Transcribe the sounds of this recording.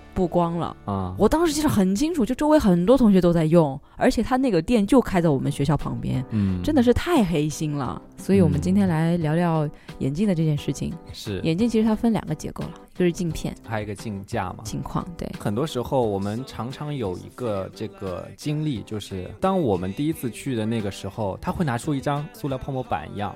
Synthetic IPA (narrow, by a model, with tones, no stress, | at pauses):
pu˥˩kwɑ˥ŋlə̰˩˥˩wɔ˨˩t̪ɑ˥ŋʂɻ̩˧˥t͡ɕi˥˩ə˥˩xə˨˩nt͡ɕʰi˥ŋʈ͡ʂʰu˨˩t͡ɕjo˥˩ʊʈ͡ʂo˥ʊe˧˥ɪxə˨˩nt̪wɔ˥t̪ʰʊ˧˥ŋɕɥɛ˧t̪o˥t͡sa˥˧ɪjʊ˥˩ŋ | ə˞˧˥t͡ɕʰjɛ˨˩t̪ʰa˥na˥˩ɡə˩t̪jɛ˥˧nt͡ɕjo˥˩ʊkʰa˥ɪt͡sa˥˩ɪwɔ˨˩mə˦nɕɥɛ˧˥ɕjɑ˥˩ʊpʰɑ̰˧˥ŋpjɛ̰˥n̩˩ʈ͡ʂə˥nd̪ə˨ʂ̬ɻ̩˥˧t̪ʰa˥˩ɪxe˥ɪɕi˥nlə̰˩ | swɔ˧˥i˧˥wɔ˨˩mə˦nt͡ɕi˥nt̪ʰjɛ˥nla˧˥ɪljɑ˧˥ljɑ˥˩ʊjɛ̰˨˩nt͡ɕi˥˩ŋd̪ə˩ʈ͡ʂɤ˥˧t͡ɕjɛ˥˧nʂɻ̩˥˩t͡ɕʰḭ˩ŋʂɻ̩˥˩jɛ˨˩nt͡ɕi˥˩ŋt͡ɕʰi˧˥ʂɻ̩˧˥t̪ʰa˥fə˥nljɑ̰˨˩ŋɡə˦t͡ɕjɛ̰˧˥ko˥˩ʊlɐ˩i˧˥ə˧ʂɻ̩˥˧t͡ɕi˥˧ŋpʰjɛ̰˥˩nt̪ʰa˥i˧˥ɡə˧t͡ɕi˥˧ŋt͡ɕja̰˥˩mɐ˩t͡ɕʰi˧˥ŋkʰwɑ̰˥˩ŋt̪wḛ˥˩ɪxə˨˩nt̪wɔ˥ʂɻ̩˧˥xo˧ʊwɔ˨˩mə˦nʈ͡ʂʰɑ˧˥ŋʈ͡ʂʰɑ˧˥ŋjo˨˩ʊḭ˧˥ɡə˧ʈ͡ʂɤ˥˩ɡə̰˩t͡ɕi˥ŋli˥˩t͡ɕjo˥˧ʊʂɻ̩˥˩t̪ɑ˥ŋwɔ˨˩mə˦nt̪i˥˩i˥t͡sʰɹ̩˥˧t͡ɕʰy˥˩d̪ə˩na˥˩ɡə˩ʂɻ̩˧˥xo˧ʊt̪ʰa˥we˥˩ɪna˧˥ʈ͡ʂʰu˥i˥˩ʈ͡ʂɑ˥ŋsu˥ljɑ˧ʊpʰɑ˥˧ŋmɔ˧˥pa̰˨˩nḭ˧˥jɑ̰˥˩ŋ